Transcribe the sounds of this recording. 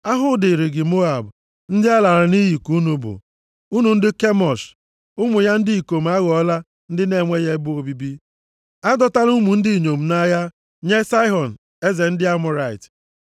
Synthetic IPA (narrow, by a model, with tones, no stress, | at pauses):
a˦ɦʊ˨˦dɪ˨ɾi˨ɡɪ˨mo˦a˨b | n̩˦dɪ˦a˦la˨ɾa˨ni˦ji˨ku˦nu˨bʊ̰˨ | u˦nu˨n̩˦dɪ˦ke˦mɔ˨s | ʊ˦mʊ˨ja˦n̩˦dɪ˦i˨ko˨m̩˨˦a˦ɣɔ˦la˦ | n̩˦dɪ˦ne˦˨ŋʷe˦je˦bʊ˦o˨bi˦bi˦ | a˦dɔ˦ta˦ɾu˦mu˨n̩˦di˦˨ɲo˨m̩˨na˦ja˦ | ɲe˦sa˦ɪ˦ɦɔ˨n˨ | e˦ze˨n̩˦dɪ˦a˦mʊ˨ɾa˦˨ɪ̰˨t